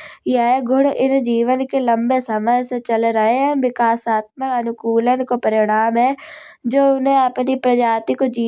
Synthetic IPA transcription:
jaɦeɡʱʊɽɪnd͡ʒiːʋənkelɐ̃mbesɐməɦsẽt͡ʃɐlɾɐɦeɦɛ̃ʋɪkaːsaːt̪̚məkɐnʊkuːlən̆kopɐɾɪɽ̃aːmɦɛːd͡ʒoːʊnẽɐpnipɾɐd͡ʒaːt̪ikod͡ʒiː

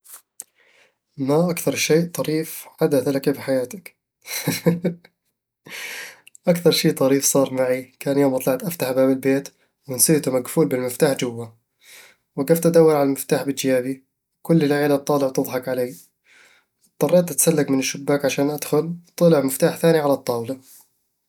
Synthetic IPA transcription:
maʔakθɑɾˤʃeːʔt̪ˤɑɾiːfħad̪aθlakafiħajaːt̪ak | ʔakθɑɾˤʃeːt̪ˤɑɾiːfsˤɑːɾˤmaʕikaːnjoːmʔɑt̪ˤlɑʕt̪ʔaft̪aħʔabaːmbɪlbeːt̪ | wɪnsiːt̪umaɡfuːlbɪlmɪft̪aːħd͡ʒʊwːa | wɪɡaft̪ʔad̪awːɪɾʕalalmɪft̪aːħbɪd͡ʒjaːbi | wkʊlːɪlʕeːlab̚t̪ˤɑːlɪʕwt̪ɨðˤħɑkʕaleː | t̪ˤːɑrˤːɑːt̪ʔat̪salːaɡmɪnɪʃːʊbːaːkʕaʃaːnʔad̪xʊlt̪ˤːɨlɪʕmɪft̪aːħθaːniʕalɑt̪ˤːɑːwla

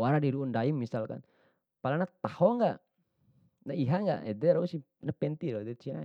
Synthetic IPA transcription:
waɾadiɾuundaimːisalka̰n | palanat̪ahɔŋɡaʔ | naiɦaŋɡa̰ʔɛ̰dɛɾausi | napɛnt̪iɾɔdɛt͡ʃina̰

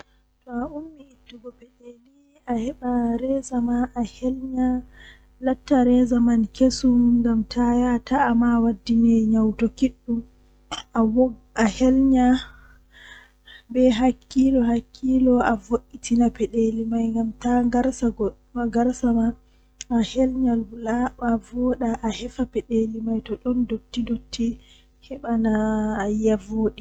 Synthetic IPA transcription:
tɔaʔumːiitːuɡɔpɛɗeli | ahɛɓaɾɛzamaːhɛlɲa | latːaɾɛzamankʰesuŋɡamtʰajataːmawadːinɛɲawtɔkiɗːum | aʔahɛlɲa | bɛɦakʰːilɔɦakʰːilɔavoʔːitʰinapɛɗelimajŋɡamtaɡaɾsaɡ | ɡaɾsama | ahɛlɲallaɓavɔɗaʔahɛfapɛɗelimajtɔɗɔndotːidotʰːi | hɛɓanajavoːɗi

